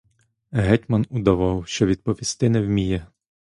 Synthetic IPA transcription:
ɦɛtʲmɐnud̪ɐʋɑwʃt͡ʃɔʋʲid̪̚pɔʋʲist̪ɪnɛwmʲijɛ

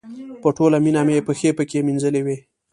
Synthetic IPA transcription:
pəʈolaminamepəxepəkeminzəlewe

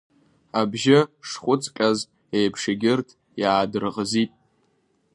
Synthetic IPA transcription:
abʒɪʂχʷʊt͡sʼkʲʼaz | ejpʰʂeɡʲɪrtʰ | jaːdɨrʁəzitʼ

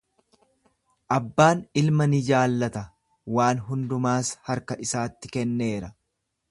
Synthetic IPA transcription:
ʔɐbːaːnɪlmɐnɪd͡ʒaːlːɐt̪ɐ | waːnɦʊnd̪ʊmaːshɐɾkɐʔɪsaːt̪ːɪkɛnːe̞ːɾɐ

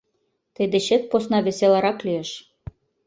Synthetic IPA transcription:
t̪ɘd̪ĕɕet̪̚posnɑβʲesʲelɑɾɑklʲyjĕʃ

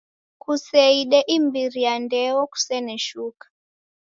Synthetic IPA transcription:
kusɛiɗɛʔimbiɾijandɛwɔku̥sɛnɛʃukḁ

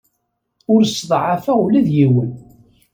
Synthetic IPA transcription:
ʊɾsðˤʕafæwlæðjiwən

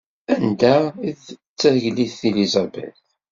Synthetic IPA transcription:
ænd̪æiðt͡sːæhʝliθθilizɑbɛ̰l

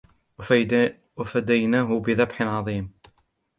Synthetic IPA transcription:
wafad̪ajnaːɦʊbɪðabħɪnʕɑðˤiːm

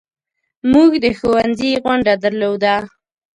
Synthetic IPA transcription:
muɡd̪əxowanziɣʊɳɖad̪əɾlod̪a

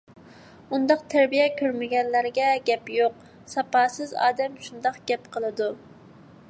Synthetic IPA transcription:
und̪ɑq̚t̪ʰæɾbijɛkʲʰøɾmɪɡʲɛnlæɾɡʲɛɡʲɛpjoq | sɑpɑːsɨzɑ̰ːd̪ɛmʃund̪ɑqɡ̥ʲɛpqʰəlˠɨd̪u

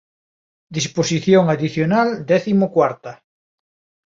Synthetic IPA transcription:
d̪isposiθjoŋaðiθjonald̪ɛθimokwaɾt̪a

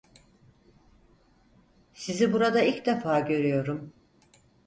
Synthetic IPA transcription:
sizibuɾad̪ailʲcd̪efaːɟø̞ɾyjo̞ɾum

